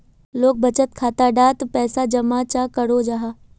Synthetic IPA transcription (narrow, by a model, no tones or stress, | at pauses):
loːk̚bɐt͡ʃət̪kʰaːt̪aɖaːt̪pɛːsad͡ʒɐmat͡ʃakəɽod͡ʒaːɦaː